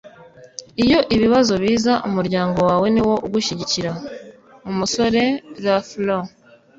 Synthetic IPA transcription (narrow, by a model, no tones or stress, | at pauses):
ijo̞ʔiβiβazo̞βiːzaʔumuɾɟaːŋɡo̞waːwe̞niwo̞ʔuɡuʃiɟiciɾa | umuso̞ɾe̞ɾaflo